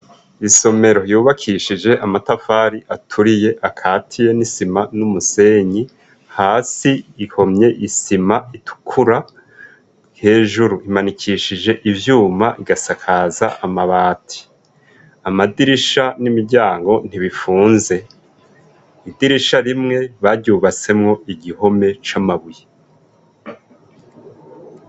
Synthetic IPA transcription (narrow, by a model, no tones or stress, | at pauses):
iso̞me̞ɾo̞juːβakʰiʃid͡ʒe̞ʔamatafaːɾiʔatʰuɾije̞ʔakʰaːtʰije̞nisimanumuse̞ɲi | haːsiːho̞mɲe̞ʔisimaitʰu̥kʰuɾa | he̞ːʒuɾuimanikʰiʃid͡ʒe̞ʔivjuːmaʔiɡasakʰaːzaʔamaβaːtʰi̥ | amadiɾiʃanimiɾɟaːŋɡo̞n̥iβifuːnze̞ | idiɾiʃaɾimŋe̞βaɾɟuːβat͡se̞mŋo̞ʔiɟiho̞me̞t͡ʃamaβuje